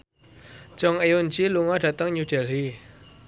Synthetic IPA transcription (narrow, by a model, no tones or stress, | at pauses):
d͡ʒɔŋejunt͡ʃiluŋɔd̥ä̤t̪əŋɲud̥ɛli